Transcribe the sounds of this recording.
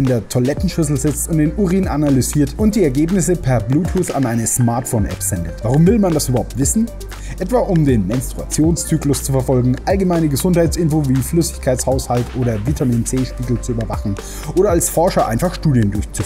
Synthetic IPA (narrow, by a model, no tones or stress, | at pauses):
ɪndeːɐtʰolɛtn̩ʃʏsl̩zɪt͡stʊnt̚d̥eːnuʁiːnanalyziːɐtʊnt̚d̥iːɛɐɡeːpnɪsəpʰɛɐbluːtʰuːsa̰nʔaɪnəsmaɐtfoʊnʔɛ̰pz̥ɛndətv̥aʁ̞ʊmvɪlmandasʔyːbɐhaʊp̚tv̥ɪsn̩ | ʔɛtv̥aːʔʊmdeːnmɛnstʁ̥ua̰t͡sjoːnst͡syːklʊst͡sufɛɐfɔlɡŋ̩ʔalɡəmaɪnəɡəzʊnthaɪt͡sʔɪnfoːviːflʏsɪ̥çkʰaɪt͡shaʊshaltʔoːɾɐvitʰamiːnt͡seːʃpiːɡl̩t͡suyːbɐvaχn̩ | ʔoːɾɐalsfɔɐʃɐʔa̰ɪnfaχʃtuːdjəndʊɐçt͡suf